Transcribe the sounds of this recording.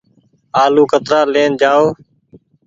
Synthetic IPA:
aːluːkət̪ɾaːleːnd͡ʒaːoː

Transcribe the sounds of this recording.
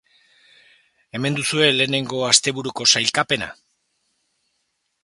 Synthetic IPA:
e̞me̞nd̪usue̞le̞ːne̞ŋɡo̞ast̪e̞βuɾuko̞sajlkape̞na̰

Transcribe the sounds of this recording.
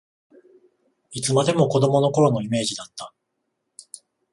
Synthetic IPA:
it͡sɨmad̪e̞mo̞ko̞d̪o̞mo̞no̞ko̞ɾo̞no̞ime̞ːʑid̪at̪ːa

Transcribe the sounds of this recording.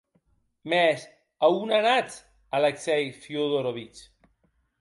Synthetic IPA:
mɛs | aunanat͡s | aleksɛjfjoðoɾoβit͡ʃ

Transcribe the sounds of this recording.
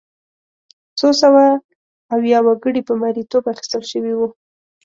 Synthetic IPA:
sosawaː | wjɑwaɡəɽipəmaɾit̪obaxi̥st̪əlʃəwiwu

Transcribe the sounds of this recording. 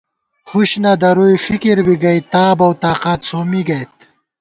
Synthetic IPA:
huɕnɐd̪ɐɾujifikiɾbiɡɐjt̪aːbɐwt̪aːqat̪soːmiɡɐjt̪̚

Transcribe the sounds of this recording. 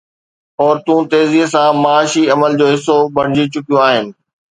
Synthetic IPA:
ɔːɾt̪ũt̪eːzisãmaːʃiɐməld͡ʑoːɦɪsːobɐɽ̃d͡ʑit͡ɕʊkijõaːɦɪnɪ̆

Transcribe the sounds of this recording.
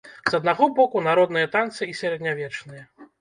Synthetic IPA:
z̥ɐd̪̚naɣɔbɔkunaɾɔd̪nɨjɐt̪ant̪sɨisʲɛɾɛd̪nʲavʲɛt͡ʂnɨjɐ

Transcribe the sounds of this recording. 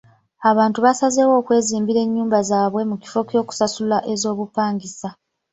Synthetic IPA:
aβaːntuβasazewo̞ːkwe̞ːziːmbiɾe̞ɲːuːmbazaːβwe̞muki̥fo̞kʲo̞ːku̥sasulaʔe̞zo̞ːβupaːŋɡisa

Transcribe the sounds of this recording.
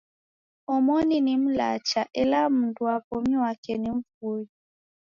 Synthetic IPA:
ɔmɔninim̩la̰t͡ʃaʔɛlam̩nduapɔmiwakɛnim̩foi

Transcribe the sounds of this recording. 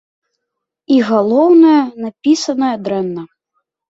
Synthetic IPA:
iɣalˠɔwnɐjɐnapʲisɐnɐjɐd̪ɾɛnːɐ

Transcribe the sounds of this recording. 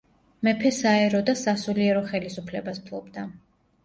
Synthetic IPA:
mɛpʰɛsaɛɾɔd̪asasuliɛɾɔχɛlisupʰlɛbasp̪ʰlˠɔbd̪a

